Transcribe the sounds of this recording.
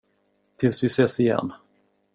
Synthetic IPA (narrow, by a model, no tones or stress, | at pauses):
t̪ʰɪlsvɪseːsɪjɛ̰nː